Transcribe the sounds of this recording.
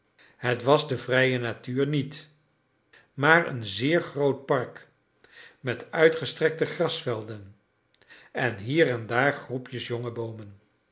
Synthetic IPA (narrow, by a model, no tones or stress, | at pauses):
ɦətʋɑzdəvrɛjənatyːɹnit | maːɹə̰nzɪːɹχrowt̚pɑɹk | mɛtœɥtχəstrɛk̚təχrɑsfɛlˠdən | ɛnɦiːɹɛndaːɹχrupjəsjɔŋəbowmən